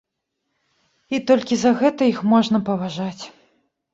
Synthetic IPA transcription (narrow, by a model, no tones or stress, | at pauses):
it̪ɔlʲkʲizɐɣɛt̪ɐixmɔʐnɐpɐvaʐat͡sʲ